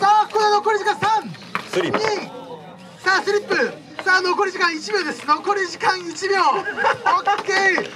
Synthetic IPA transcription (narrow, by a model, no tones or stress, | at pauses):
saːkonenokoɾiʑikãsãɴ | ɾiɲi | saːsɨɾʲipːɯ | sanokoɾiʑikãɰ̃it͡ɕimʲo̞ːd̪e̞sɨnokoɾʲiʑikãɰ̃it͡ɕibʲookʲːe